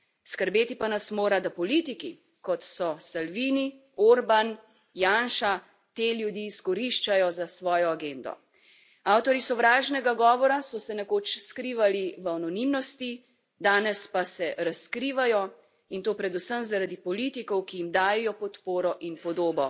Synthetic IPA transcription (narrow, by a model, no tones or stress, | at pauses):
skəɾbeːt̪ipanasmoːɾad̪apɔlit̪iki | kɔt̪sɔsalʋiːni | oɾban | jaːnʃa | t̪eljud̪jiːskɔɾiʃt͡ʃajɔzasʋɔːjɔaɡend̪ɔ̰ | awt̪ɔɾisɔʋɾaːʒnɛɡaɡɔːʋɔɾasɔsɛnɛkoːt͡ʃskɾiːʋaliʋanɔnimnɔst̪i | d̪aːnɛspasɛɾaskɾiːʋajɔ | int̪oːpɾɛd̪usəmzaɾad̪ipɔliːt̪ikɔwkijimd̪aːjɛjɔpɔt̪poːɾɔʔinpɔd̪oːbɔ